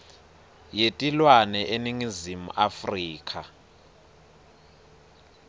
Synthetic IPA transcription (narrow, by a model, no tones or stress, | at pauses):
jetʼilwanɛʔeniŋizimuʔafriːkʰʼa